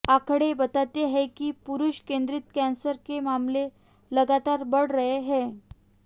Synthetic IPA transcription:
akʰəɽebət̪at̪eɦɛkiːpuɾuɕkend̪ɾit̪kɛ̃nsəɾkemamle | ləɡat̪aɾbəɽɾəɦeɦɛ

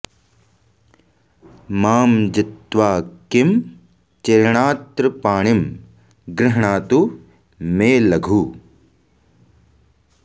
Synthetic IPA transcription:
maːmd͡ʒɪt̪ːʋaːkɪm | t͡ʃeːɾɳaːt̪ɾɐpaːɳ̃ɪm | ɡɾɪɦɳaːt̪u | meːlɐɡʱuː

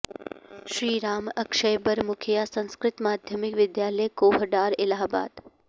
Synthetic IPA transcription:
ʃɾiːɾaːməkʃəjbəɾmʊkʰijasə̃ñskɾɪt̪maːd̪ʱjəmɪkʋɪd̪jaləjkoɦɖaɾɪlaɦba̰ːd̪

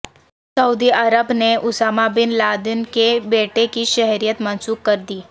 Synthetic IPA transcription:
sɐuːd̪iəɾəbneʔʊsaːmabɪnlaːd̪ɪnkebeːʈekiʃɛɦɾijət̪mɐ̃nsuːkkɐɾd̪iː

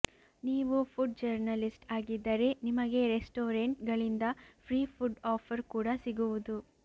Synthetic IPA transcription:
niːʋupʰuɖ̚d͡ʒɐɾnɐlisʈaːɡid̪ːɐɾe̞nimɐɡe̞ɾesʈoːɾeɳʈɡɐɭind̪ɐpʰɾiːpʰuɖɔːpʰɐɾkuːɽɐsiɡuʋud̪u

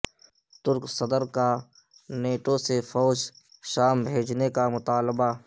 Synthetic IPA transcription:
t̪ʊɾksəd̪əɾka | neːʈosefɔːd͡ʒ | ʃaːmbʱeːd͡ʒnekamʊt̪aːlba

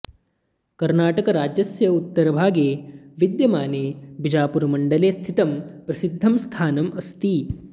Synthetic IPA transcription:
kɐɾnaːʈɐkɐɾaːd͡ʒjɐsjɐut̪ːɐɾɐbʱaːɡeːʋid̪jɐmaːneːbid͡ʒaːpuɾɐmɐɳɖɐleːst̪ʰit̪ɐmpɾɐsid̪ʱːɐmst̪ʰaːnɐmɐst̪i

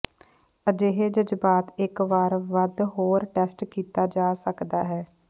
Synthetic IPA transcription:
əd͡ʒeːɦeːd͡ʒəd͡ʒbaːt̪ɪkʋaːɾʋəd̪ɦoːɾʈɛːsʈkiːt̪aːd͡ʒaːsəkd̪aːɦɛː

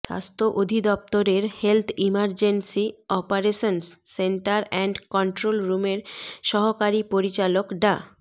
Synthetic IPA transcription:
ʃa̰st̪ʰoʔod̪ʱid̪ɔp̚t̪oɾeɾhelt̪ʰimaɾd͡ʑensiɔpaɾeʃonsseɳʈaɾɛɳɖkɔɳʈɾolɾumeɾʃɔɦokaɾipoɾit͡ɕalokɖa

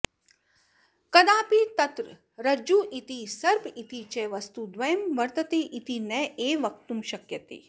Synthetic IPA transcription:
kɐd̪aːpiːt̪ɐt̪ɾə | ɾɐd͡ʒuːʔit̪isɐɾbʱit̪it͡ʃeːʋɐst̪ud̪ʋɐjɐmʋɐɾt̪ɐt̪eːʔit̪inɛːeːʋɐk̚t̪umʃɐkjɐt̪ḭ

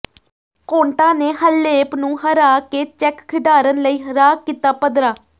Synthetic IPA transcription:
kõːɳʈãːneːɦəlːeːpnũːɦəɾaːkeːt͡ʃɛkkʰɪɖ̪aːɾənləiːɦəɾaːkiːt̪aːpəd̪ɾaː

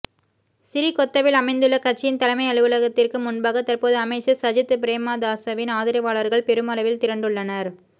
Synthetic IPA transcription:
sɪɾikɔt̪ːɐʋɪlɐmɐɪnd̪ɯɭːɐkɐʈ̚t͡ʃːɪjɪnt̪ɐlɐmɐɪɐɭɯʋɯɭɐɣɐt̪ːɪrkɯmʊnbaːɣɐt̪ːɐrpoːðɯɐmɐɪt͡ʃːɐsɐd͡ʒɪt̪ːɯpɪɾeːmaːd̪aːsɐʋɪnaːðɪɾɐɪʋaːɭɐɾɣɐɭpɛɾɯmɐlɐʋɪlt̪ɪɾɐɳɖɯɭːɐnɐɾ

